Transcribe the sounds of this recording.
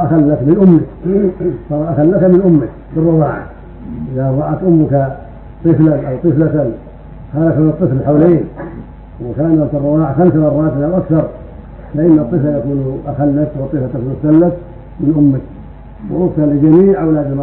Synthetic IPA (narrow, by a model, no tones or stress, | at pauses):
axalːakmɪnʔʊmːɪk | sɑɾˤɑʔaxalːat̪amɪnʔʊmːak | bɪrˤːɑwaːʕa̰ | ʔɪðaðˤɑːʕak̪ʔʊmːʊka | t̪ˤɨflanʔawt̪ˤɨflat̪an | xalakant̪ˤːɨflħawleːn | wɪkaːnat̪ɪrˤːɑwaːʕaxamsamɑrˤːɑːt̪ɪlawʔakθɑɾˤ | faʔɪnːat̪ˤːɨflajakuːnʔaxalːat̪awt̪ˤːɨflatˤːɨflmʊsalːat | mɪnʔʊmːak | w̰ʔʊfnalɪd͡ʒamiːʕʔawlad̪ɪlmɑ